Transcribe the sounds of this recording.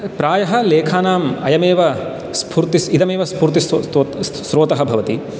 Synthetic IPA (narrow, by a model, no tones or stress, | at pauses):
pɾaːjɐɦɐleːkʰaːnaːmɐjɐmeːʋɐ | spʰuːɾt̪isid̪ɐmeːʋɐspuːɾt̪iso | sɾoːt̪ɐɦɐbʱɐʋɐt̪i